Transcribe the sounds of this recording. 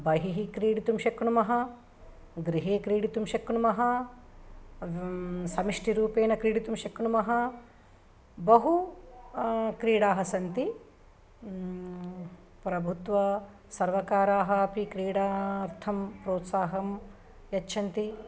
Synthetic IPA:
bɐɦiɦikɾiːɽit̪umʃɐkɳumɐɦɐ̆ | ɡɾiɦeːkɾiːɽit̪umʃɐkɳumɐɦɐ̆ | sɐmiʂʈiɾuːpeːnɐkɾiːɽit̪umʃɐkɳumɐɦɐ | bɐɦu | kɾiːɽaːɦɐsɐnt̪i | pɾɐbʱut̪ʋɐ | sɐɾʋɐkaːɾaːɦɐpikɾiːɽaːɐɾt̪ʰɐmpɾoːt̪saːɦɐm | jɐtːʃʰɐnt̪i

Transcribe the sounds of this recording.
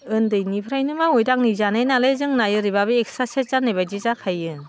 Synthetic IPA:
ɯndɯjnipʰɾajnɯmaojdak̚nizanɯjnalezɯŋnajɯɾibabieksaset̚zanajbajdizakʰajɯ

